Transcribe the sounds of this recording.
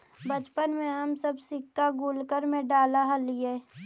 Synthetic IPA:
bət͡ʃpənmẽɦəmsəbsɪkːaɡuːlkəɾmẽɖaːlaɦəlijeː

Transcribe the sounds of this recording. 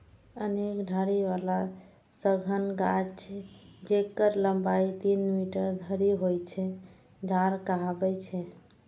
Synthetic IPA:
ənekɖʱaɾiʋala | səɡʱənɡad͡ʒt͡ʃʰɛd͡ʒekəɾləmbait̪inmiʈəɾd̪ʱəɾiɦojt͡ʃʰɛ | d͡ʒʱaɾkaɦabɛt͡ʃʰɛ

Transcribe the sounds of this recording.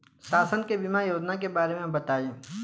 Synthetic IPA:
ʃaːsənkebimajoːd͡ʒnak̬ebaːɾemẽmbɐt̪aːjẽː

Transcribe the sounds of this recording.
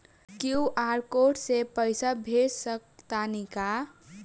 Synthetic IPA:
kiuʔaɾkoʈsepəjsabʱesəkt̪anika

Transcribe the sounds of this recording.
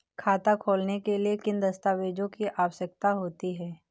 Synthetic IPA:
kʰaːt̪akʰoːlnekeliekɪ̃nd̪ɐst̪aːʋeːd͡ʒõkiʔaːʋəʃək̚t̪aɦoːt̪iɦɛː

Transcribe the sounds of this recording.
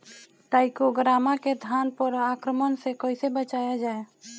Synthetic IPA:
ʈaːɪkoɡɾaːmaked̪ʱaːnpəɾakɾəmənsekəɪsebət͡ʃaːjad͡ʒaːe

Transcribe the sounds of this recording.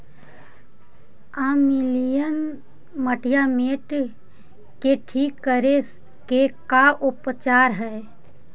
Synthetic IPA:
amɪlijən | məʈʰijameːʈ | keʈʰiːkːəɾe | kekaʔʊpt͡ʃaːɾɦɛe

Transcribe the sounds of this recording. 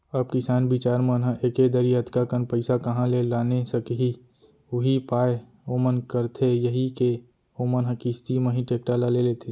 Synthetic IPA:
əb̚kɪsaːnbɪt͡ʃaːɾmənɦãʔeːked̪əɾiət̪kakənpəɪsakəɦãlelaːnesəkɦi | ʊɦipaːe | omənkəɾt̪ʰejəɦike | omənɦə̃kɪst̪iməɦĩʈeːk̚ʈalaleleːt̪ʰe

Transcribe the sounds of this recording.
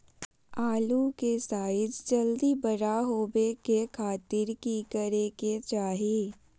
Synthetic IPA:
aːlukesaːɪd͡ʒd͡ʒɐld̪ibəɾaɦoːbekekʰaːt̪ɪɾkikəɾeːket͡ʃaːɦieː

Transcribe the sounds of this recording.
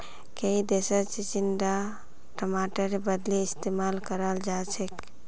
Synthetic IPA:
keid̪esət͡ʃit͡ʃinɖa | ʈəmaʈəɾbəd̪leɪst̪emalkəɾəld͡ʒat͡ʃʰek

